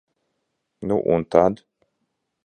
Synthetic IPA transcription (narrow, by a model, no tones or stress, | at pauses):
nuʔṵnt̪ʰad̪